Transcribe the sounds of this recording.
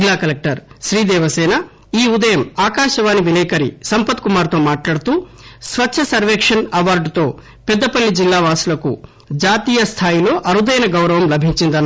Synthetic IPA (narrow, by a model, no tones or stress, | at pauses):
lːaːkɐlek̚ʈɐɾʃɾiːd̪ɛːʋɐsɛːnɐ | iːud̪ɐjɐmaːkaːʃɐʋaːniʋilɛːkɐɾḭsɐmpɐt̪kumaːɾt̪o̞ːmaːʈlaːɽt̪uː | sʋɐtːʃʰɐsɐɾʋɛːkʂɐnɐʋaːɾɖt̪o̞ː | pɛd̪ːɐpɐlːid͡ʒilːaːʋaːsulɐkṵ | d͡ʒaːt̪iːjɐst̪ʰaːjilo̞ːʔɐɾud̪ɐjnɐɡɐwɾɐʋɐmlɐbʱiɲt͡ʃind̪ɐnː